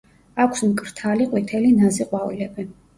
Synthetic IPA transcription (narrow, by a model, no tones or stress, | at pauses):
akʷʰsmkʼɾt̪ʰaliqʼwit̪ʰɛlinazɛqʼwavilɛbɛn